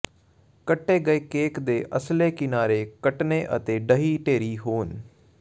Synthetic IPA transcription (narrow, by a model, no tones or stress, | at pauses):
kəʈːeːɡəekeːkd̪eːʔəsleːkɪnaːɾeːkəʈneʔə̰t̪eːɖəɦiːʈeːɾiːɦoːn